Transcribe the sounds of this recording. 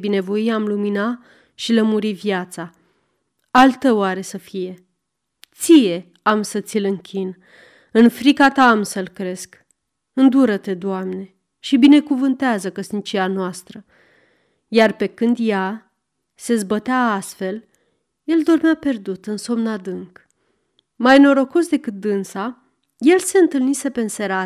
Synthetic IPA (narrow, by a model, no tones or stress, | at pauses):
bine̞vo̞jiamlumina | ʃiləmuɾivjat̪sa | alt̪ːəwaɾe̞səfije̞ | t̪sije̞ | amsət̪sʲilɨŋkʲin | ɨnfɾikat̪aːmsəlkɾe̞sk | ɨnd̪uɾət̪e̞d̪oamne̞ | ʃibine̞kuvɨnt̪eazəkəsnit͡ʃianoast̪ɾə | jarpe̞kɨnd̪ja | se̞zbət̪eaast̪fe̞l | je̞ld̪o̞rmeape̞rd̪ut̪ɨnso̞mnad̪ɨŋk | majno̞ɾo̞ko̞sd̪e̞kɨt̪̚d̪ɨnsa | je̞lse̞ɨnt̪ɨlnise̞pe̞ɨnse̞ɾa